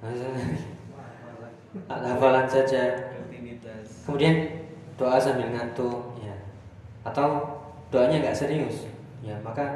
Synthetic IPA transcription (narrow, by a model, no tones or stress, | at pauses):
asa | a̰lahbalansad͡ʒa | kəmudiand̥oasamilŋant̪ujaː | t̪aw | d̥oaɲaɡaʔsəɾiʊs | jamaka